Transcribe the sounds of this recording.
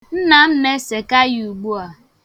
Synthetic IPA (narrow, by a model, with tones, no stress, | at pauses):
n̩˦na˨m̩˦me˦se˨ka˦ju˨u˨ɡ͡bu˦a˨